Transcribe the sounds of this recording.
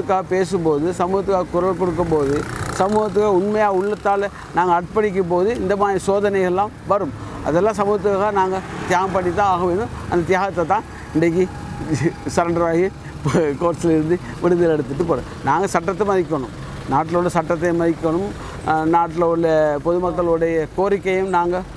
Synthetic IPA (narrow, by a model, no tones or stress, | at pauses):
ɯkːaːɣɐpeːsɯmpoːðɯsɐmuːɣɐt̪̬ːɯkːaːɣɐkʊɾɐlkɔɽɯk̬ːɯmpoːðɯsɐmuːɣɐt̪̬ːɯkaːɣɐʊɳmɐjaːɣɐʊɭːɐt̪ːaːlɐ | naːŋɡɐɐɽʈ̚pɐɳɪk̬ʲːɯmpoːðɯɪnd̪ɐmaːðɾisoːðɐnɐɣɐɛlːãːmʋɐɾɯmɐ̰ðɛlːãːs̬ɐmuːɣɐt̪ːɯkːaːɣɐnaːŋɡɐt̪ɪjaːɣɐmpɐɳːɪt̪ːaaːɣɐʋeːnɯ̃ɐ̰nd̪ɐt̪ɪjaːɣɐt̪̬ːɐt̪ːãː | ɪɳɖɐk̬ːi | sɐɾɐɳɖɐɾʋaːɣi | pkoːɾʈsɪlɪɾɯnd̪ɯ | ʋɪɽɯðɪlɛɽɯt̪ːɯʈːɯpoːɾɐ̰ | naːŋɡɐsɐʈːɐt̪̬ːɛmɐðɪk̬ʲːɐɳɯ̰m | naːʈːɪlɐɭːɐsɐʈːɐt̪ːɐmɐðɪkːɐɳɯm | naːʈ̬ːɪlɐɭːɐpɔðɯmɐkːɐɭɯɽɐjɐkoːɾɪkːɐjɯmnaːŋɡɐ